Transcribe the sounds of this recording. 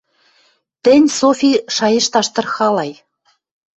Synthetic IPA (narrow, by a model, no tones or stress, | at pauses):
t̪ɘ̆nʲsofʲiʃɑjɤ̆ʃt̪ɑʃt̪ɤ̆rxɑlɑj